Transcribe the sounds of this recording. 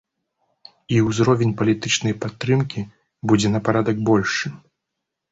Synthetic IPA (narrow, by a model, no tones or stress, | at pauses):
iwzɾɔvʲɛnʲpɐlʲit̪ɨt͡ʂnɐjpat̪ːɾɨmkʲi | bud͡zʲɛnɐpaɾad̪ɐɡbɔlʲʂɨ